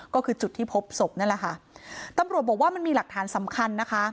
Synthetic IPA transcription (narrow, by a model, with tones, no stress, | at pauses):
kɔː˥˩kʰɯː˧t͡ɕu˨˩t̪ʰːiː˥˩pʰo˦˥p̚so˨˩p̚na˥˩la˨˩kʰa˥˩t̪a˧mɾu˨˩əbɔː˨˩kwaː˥˩ma˧nmiː˧la˨˩k̚t̪ʰːaː˩˦nsa˩˦mkʰa˧nːa˦˥kʰa˦˥